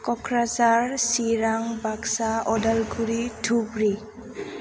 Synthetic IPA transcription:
kɔkʰɾazaɹsiɾaŋbaksaɔdalɡʰuɾitʰuɡɹi

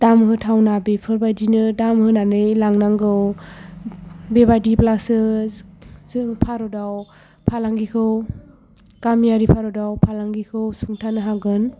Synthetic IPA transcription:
d̥amɦɯtʰawnabepʰɯɾbajdinɯdamhɯnanɯjlaŋnaŋɡɯw | bebadiplasɯ | zɯŋpʰaɾɔdaw | pʰalaŋɡikʰɯw | kamijaɾipʰaɾɔdawpʰalaŋɡikʰɯwsuŋtʰanɯɦaɡɯn

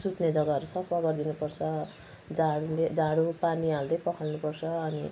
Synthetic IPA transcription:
sut̪ned͡zʌɡaʌɾusʌpʰʌɡʌrd̪inupʌrt͡sʰʌ | d͡zaɽuled͡zaɽupaniald̪ʌjpʌkʰʌlnupʌrt͡sʰʌːni

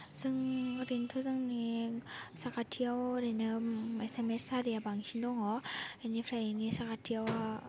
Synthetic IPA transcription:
zɯŋɾintʰɔzaŋni | sakatʰijawɾenɯesemesaɾijabaŋɕindɔŋɔenipʰɾajinisakatʰijawa

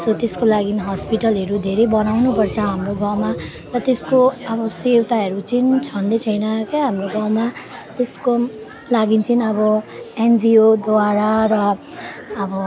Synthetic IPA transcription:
sʌt̪eskolaɡinɦʌspiʈʌlɦʌɾud̪ʱeɾʌjbʌnawnupʌrt͡sʰʌɦamroɡʌ̃wma | rʌt̪eskoʌbʌsewt̪aɦʌɾut͡sint͡sʰʌnd̪ʌt͡sʰʌjnʌkeɦamroɡʌ̃wma | t̪esko | laɡint͡sʌnʌbʌend͡ziod̪oaɾarʌ | ʌbʌ

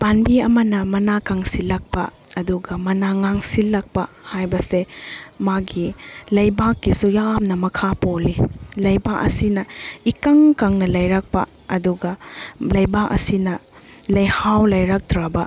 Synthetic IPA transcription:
panbiɐmɐnɐmɐnakaŋsilɐk̚pɐ̰ | ɐduɡɐmɐnaŋaŋsilːɐk̚pɐhajbɐsemaɡilɐjbakːisujamnɐmɐkʰapolilɐjbaʔɐ̰sinɐikɐŋkaŋnɐlɐjɾɐk̚pɐ̰ | ɐduɡɐlɐjbaʔɐ̰sinɐ | lɐjhawlɐjɾɐk̚dɾabɐ

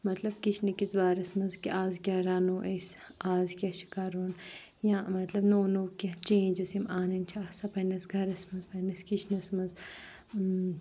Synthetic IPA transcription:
mɐt̪lɐb̚kit͡ʃʰnɐkizbaːɾɐsmɐnzkiʔaːzkʲjaːɾaːnoːʔesaːzkʲaʃʰi̥kaːɾoːn | jãːmɐt̪lɐbnoːnoːkʲɐt͡ʃẽːnd͡ʒɐsimaːnɐnt͡ʃʰaːsɐpɐnɐsɡʱɐɾɐsmɐnzpɐnɐskit͡ʃʰnɐsmɐnz

